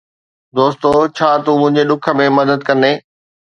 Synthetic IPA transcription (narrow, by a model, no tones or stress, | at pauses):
d̪oːst̪ot͡ɕʰaːt̪umʊ̃ɦɪ̃ɲd͡ʑeɗʊkʰə̆mẽmɐd̪əd̪̚kɐ̃nd̪eː